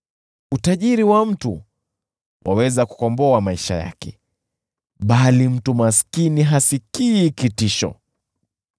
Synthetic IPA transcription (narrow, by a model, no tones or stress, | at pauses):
utaʄiɾiwam̩tu | wʔa̰wɛzaku̥kɔmbɔamaiʃa̰ja̰kɛ | ɓalim̩tumaskiniɦasikiːkitiʃɔ̰